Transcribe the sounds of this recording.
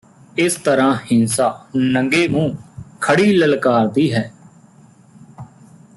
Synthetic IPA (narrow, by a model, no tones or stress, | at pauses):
ɪst̪əɾãːhɪnsaːnə̃ŋɡeːmũːkʰəɽiːləlkaːɾt̪iːɦɛː